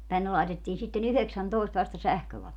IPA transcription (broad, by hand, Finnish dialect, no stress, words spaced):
tænːe lɑitetːiːn sitːen yheksæntoˑest ʋɑstɑ sæhkøʋɑlot